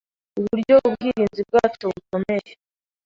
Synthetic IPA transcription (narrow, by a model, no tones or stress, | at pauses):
uβuɾɟo̞βubɡiːɾiːnzib̚ɡaːt͡ʃo̞βuko̞me̞je